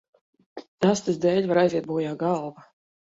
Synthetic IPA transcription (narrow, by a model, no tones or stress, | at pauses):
ast̪ɨzd̪ɛːlʲvaɾajzʲiɛt̪̚buːjaːɡɑlˠva